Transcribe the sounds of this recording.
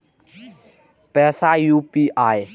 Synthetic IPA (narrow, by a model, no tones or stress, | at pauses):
pɛsajupiʔaj